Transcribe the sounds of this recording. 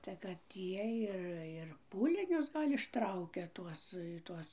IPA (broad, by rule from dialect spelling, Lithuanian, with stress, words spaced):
tɐɪ kɐt ˈiɛj ˈɪr ɪr ˈpuːlʲɪnʲʊs ˈɡɐlʲ ɪʃˈtrɐʊkʲɛ ˈtuɔs ˈtuɔs